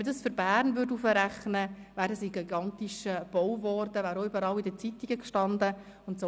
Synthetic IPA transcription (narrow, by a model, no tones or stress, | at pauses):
dɑsfʏɾbæːɾnvʏɾtufəɾæχnəvæːɾdəsiɡiɡɑnt̪iʃəb̥ɔwvɔrd̥əʋæːɾoːʏbəɾɑlidət͡sit̪iɡəkʃtɑnd̪ə | ʊntso